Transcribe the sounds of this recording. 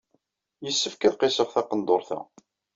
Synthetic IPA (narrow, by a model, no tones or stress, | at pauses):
jəsːəfkæðqesəʁθɑqənd̪oɾˤθæ̰